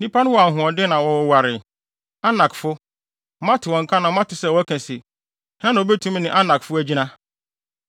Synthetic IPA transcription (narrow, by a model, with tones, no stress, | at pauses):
nĩ˦pʰa˦nʊ̃˦wɔ˨a˨ɦʊ̃˨ɔ˨dɪ˦nã˨wɔ̃˨wa˨ɾɪ˨ | a˦nã˨kfʊ˦ | mã˦tʰɪ˨wɔ̃˨ŋ̩˨kʰa˦nã˨˦mã˦tɪ˨sɛ˦˨wɔ˦æ˦kʰæ̃˨se˨ | hã˦nã˨o˨be˦tʰũ˦m˦nɪ̃˨ʔa˦nã˨kfʊ˦æ˦d͡ʑi˦nã˦